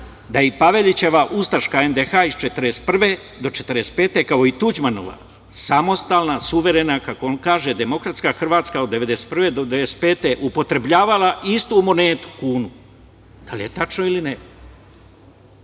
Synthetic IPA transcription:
d̪ajepaʋe̞ʎit͡ɕe̞ʋaʔust̪aʃkae̞nd̪exaist͡ʃet̪ɾest̪pr̩ʋe | d̪o̞t͡ʃe̞̥t̪ɾespeːt̪e̞kao̞it̪ud͡ʑmano̞̰ʋa̰ | samo̞st̪aːlnasuʋe̞ɾe̞nakako̞onkaːʒe̞d̪e̞mo̞kɾat̪skaxr̩ʋaːt̪skaod̪ːe̞ʋe̞d̪e̞st̪prʋe̞d̪od̪eʋespeːt̪e̞ʔupo̞t̪ɾe̞bʎaːʋalˠaʔist̪umo̞neːt̪u̥kuːnu | d̪̥alije̞t̪at͡ʃnoiline

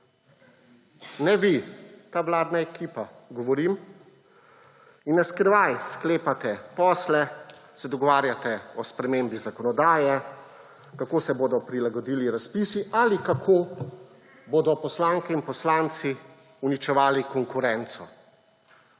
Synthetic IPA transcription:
nɛʋit̪aːʋlaːd̪naɛkiːpa | ɡɔʋɔɾim | inːaskɾʋajskleːpat̪ɛpɔːslɛsɛd̪ɔɡɔʋaːɾjat̪ɛɔspɾɛmeːmbizakɔnɔd̪aːjɛ | kakoːsɛboːd̪ɔpɾilaɡɔd̪iːliɾaspiːsiʔalikakʰoː | boːd̪ɔpɔslaːŋkɛinpɔslaːnt̪si | unit͡ʃɛʋaːlikɔŋkuɾɛnt̪sɔ̰

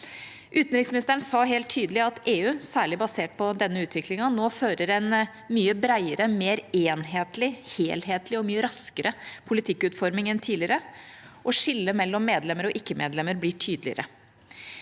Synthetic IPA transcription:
ʔʉːt̪nɾɪksmɪnɪst̪əəɳsɑːɦeːlt̪ʰːyːd̪əlɪɑt̪eːʉːsæːɭɪbɑseːʈ̚pʰɔd̪ɛnːəʉːt̪ʰʋɪklɪŋɑnoːføːɾəɾɛn | myːəbɾæɪəɾəmeːɾeːnɦeːt̪lɪheːlheːt̪lɪɔmyːəɾɑskəɾəpʰʊlɪt̪ʰɪkːʉːt̪fɔɾmɪŋɛnt̪ʰiːlɪəɾəʔɔʂɪlːəmɛlːɔmːeːd̪lɛmːəɾɔʔɪkːəmḛːd̪lɛmːəɾblɪʈʰyːd̪əlɪə̰ɾʔə

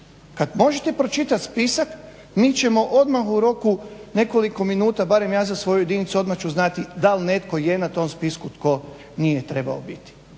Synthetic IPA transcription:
kad̪mo̞ʒet̪e̞pɾo̞t͡ʃit̪at̪spisak | miːt͡ʃe̞mo̞ʔo̞d̪maxuɾo̞kune̞ko̞liko̞minuːt̪abaɾe̞mjaːzasʋo̞jujed̪init̪suo̞d̪maxt͡ʃuznat̪id̪alne̞t̪ko̞je̞nat̪o̞mspiskut̪ko̞ | nijet̪ɾe̞ba̰o̰bit̪i̥

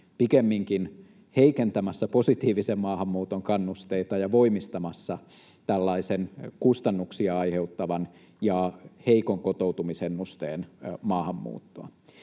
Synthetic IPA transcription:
pikemːiŋkin | heikent̪æmæsːæpo̞sit̪iːʋisemmɑːhɑmːuːt̪oŋkɑnːust̪eit̪ɑjɑʋo̞imist̪ɑmɑsːɑ | t̪ælːɑisenkust̪ɑnːuksiɑɑiheut̪ːɑʋɑn | jɑheikoŋkot̪out̪umisenːust̪eːnmɑːhɑmːṵːt̪ːoɑ

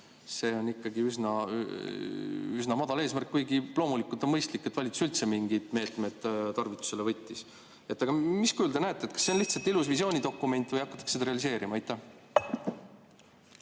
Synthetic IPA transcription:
se̞ːo̞nːikːɑɡiysnɑ | ysnɑmɑd̪ɑle̞ːsmærkːujɡilo̞ːmulikːˑult̪o̞nmɤjst̪likːeːvɑlʲit̪su̥sylt̪se̞miŋɡid̪̥me̞ːt̪ˑme̞d̪̥t̪ɑrvit̪ːˑu̥se̞le̞vɤjt̪ːˑis | e̞t̪ːˑɑɡ̥ɑmiskuuld̪e̞næet̪ːˑet̪̚kɑ̥sːenliht̪sɑlt̪ilusvisjo̞ːnʲid̪o̞kːˑume̞nʲt̪ːˑvɤjɑkːˑɑt̪ːˑɑ̥ksed̪ɑɾe̞ɑlis̬e̞ːɾʔimɑɑjt̪ːæh

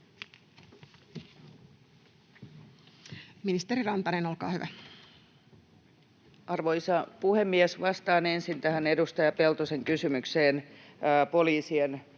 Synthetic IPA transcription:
minist̪eɾirɑnt̪ɑneno̞lkɑ̰ːhyʋæ | ɑrʋoisɑpuhemːiesʋɑst̪ɑːnensint̪æhænedust̪ɑjɑpelt̪oseŋkysymykseːnːpoliːsien

